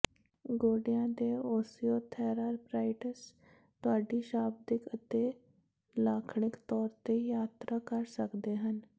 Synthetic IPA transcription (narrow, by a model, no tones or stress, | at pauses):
ɡoɽjãd̪eosijot̪ʰɛɾaɾpɾajʈəs | t̪ʊaɖiːɕab̚d̪ikət̪e | lakʰɳɪkt̪ɔːɾt̪ejat̪ɾʔakəɾsəkd̪eɦən